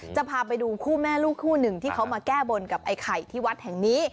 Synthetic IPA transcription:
t͡ɕa˨˩pʰaː˧pa˧jduː˧kʰuː˥˩mɛː˥˩luː˥˩kʰːuː˥˩nɯ˨˩ŋt̪ʰiː˥˩kʰa˦˥wmaː˧kɛː˥˩bo˧nka˨˩p̚ʔa˧jkʰa˨˩jt̪ʰiː˥˩wa˦˥t̪̚hɛ˨˩ŋniː˦˥

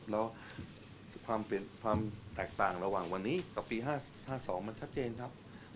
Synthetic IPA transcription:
lɛː˦˥w | kʰwaː˧mpe˨˩nkʰwaː˧mt̪ɛː˨˩k̚t̪aː˨˩ŋɾa˧waː˨˩ŋwa˧nːiː˦˥ka˨˩pːiː˧ɦaː˥˩ | haː˥˩sɔː˩˦ŋma˧nt͡ɕʰt̪̚t͡ɕeː˧nkʰa˦˥p̚

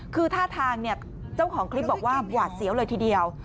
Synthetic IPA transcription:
kʰɯː˧t̪ʰaː˥˩t̪ʰaː˧ŋni˥˩ɐ | t͡ɕa˥˩wkʰɔː˩˦ŋkʰli˦˥p̚bɔː˨˩k̚waː˥˩bwaː˨˩t̪̚si˨˩˦wlɤː˧jt̪ʰiː˧˩di˧əw

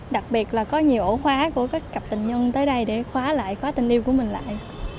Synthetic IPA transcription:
ɗa˨˩k̚ɓi˨˩ət̚laː˨˩kɔ˨˦ɲi˨˩əwʔo˧˩˦xwaː˨˦ku˧˩əkaː˨˦˥kːə˨˩p̚t̪ï˨˩ŋ̟ɲə˧nt̪əː˨˦jɗə˧jɗe˧˩xwaː˨˦la̰ː˧˨jxwaː˨˦t̪ï˨˩ŋ̟ʔi˧wku˧˩əmï˨˩ŋ̟la̰ː˧˨jʔ

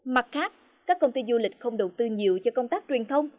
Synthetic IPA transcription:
ma˨˩t̚xaː˦˥k̚ | kaː˦˥kːə˧wŋ͡mt̪i˧zu˧lï˨˩k̟̚xə˧wŋ͡mɗə˨˩wt̪ɨ˧ɲi˨əwt͡ɕɔ˧kə˧ŋ͡mt̪aː˦˥k̚t͡ɕwi˨˩ənt̪ʰə˧wŋ͡m

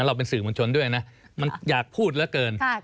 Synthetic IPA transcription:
nɾa˧wp̬e˧nsɯː˨˩moː˧nt͡ɕʰo˧ndu˥˩əjna˦˥ʔ | ma˧njaː˨˩k̚pʰuː˥˩t̪̚lɛ˦˥kɤː˧n

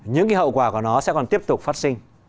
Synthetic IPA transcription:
ɲɨ̰˧˥ŋkaː˨˦ɦə̰˧˨wkwaː˧˩ku˧˩ənɔ˨˦sɛ̰˧˥kɔ˨˩nt̪i˦˥əp̚t̪ʊ˨˩k͡p̚faː˦˥t̚sï˧ŋ

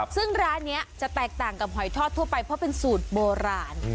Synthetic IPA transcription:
sɯ˥˩ŋɾaː˦˥nːi˦˥ɐt͡ɕa˨˩ʔt̪ɛː˨˩k̚t̪aː˨˩ŋka˨˩p̚ɦɔ˨˩˦jt̪ʰɔː˥˩t̪ʰːu˥˩ɐpa˧jpʰɔ˦˥pe˧nsuː˨˩t̪̚boː˧ɾaː˧n

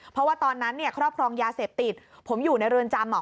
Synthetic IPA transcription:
pʰɾɔ˦waː˥˩t̪ɔː˧nːa˦˥nːi˥˩ɐkʰɾɔː˥˩p̚kʰɾɔː˧ŋjaː˧seː˨˩p̚t̪i˨˩t̪̚pʰo˩˦mjuː˨˩na˧jɾɯː˧ənt͡ɕaː˧mnɔː˨˩

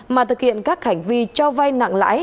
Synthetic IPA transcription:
maː˨˩t̪ʰɨ˨˩k̚hḭ˧˨ənkaː˦˥k̚ha˧˩jŋ̟vi˧t͡ɕɔ˧wva˧jna̰˧˨ŋla̰ː˧˥j

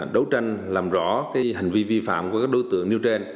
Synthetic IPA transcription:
ɗə˨˦wt͡ɕa˧jŋ̟laː˨˩mzɔ̰˧˥˦kaː˨˦jɦï˨˩ŋ̟vi˧vi˧fa̰ː˧˨mku˧˩kaː˦˥k̚ɗo˨˦jt̪ɨ̰˧˨əŋni˧wt͡ɕe˧n

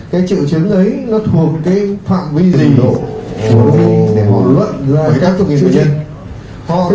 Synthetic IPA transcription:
kaː˨˦jt͡ɕɨ̰˧˨wt͡ɕɨ˨˦ŋʔə˨˦jnɔ˨˦t̪ʰu˨˩ək̚kːaː˨˦jfa̰ː˧˨mvi˧zi˨˩ŋɗo̰˧˨˩ | i˧ɗe˧˩hɔ̰˧˨lwə̰˧˨nzaː˨˩kaː˦˥k̚k̪ŋ̰˨˩˨ə˧ | hɔ̰˧˨

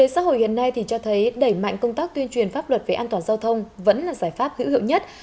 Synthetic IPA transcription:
e˨˦sa̰ː˧˥ɦo̰˧˨jhḭ˧˨ənːa˧jt̪ʰi˨˩t͡ɕɔ˧t̪ʰə˨˦jɗə˧˩jma̰˧˨ŋ̟kə˧wŋ͡mt̪aː˦˥k̚t̪wi˧ənt͡ɕwi˨˩ənfaː˦˥p̚lwə˨˩t̚ve˨˩ʔaː˧nt̪waː˧˩nzaː˧wt̪ʰə˧wŋ͡mvə̰˧˥nlaː˨˩zaː˧˩jfaː˦˥p̚hɨ̰˧˥hḭ˧˨wɲə˦˥t̚

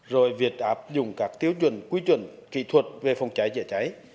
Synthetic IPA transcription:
zo˨˩jvi˨˩ət̚ʔaː˦˥p̚zʊ̰˧˨ŋ͡mkaː˦˥k̚t̪i˨˦əwt͡ɕwə̰˧˨ŋkwi˨˦t͡ɕwə̰˧˨nkḭ˧˨t̪ʰwə˨˩t̚ve˨˩fa˧˩wŋ͡mt͡ɕa˨˦jzɛ̰˧˨t͡ɕa˨˦j

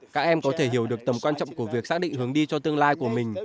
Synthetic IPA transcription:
kaː˦˥k̚ʔɛ˧mkɔ˨˦t̪ʰe˧˩ɦi˧˩əwɗɨ˨˩ək̚t̪ə˨˩mkwaː˧nt͡ɕɔ̰˧˨ŋ͡mku˧˩əvi˨˩ək̚saː˦˥ɗḭ˧˨ŋ̟hɨ˨˦əŋɗi˧t͡ɕɔ˧t̪ɨ˧əŋlaː˧jku˧˩əmï˨˩ŋ̟

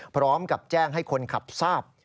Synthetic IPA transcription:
pʰɾɔː˦˥mka˨˩p̚t͡ɕɛː˥˩ŋɦa˥˩jkʰo˧nkʰa˨˩p̚saː˥˩p̚

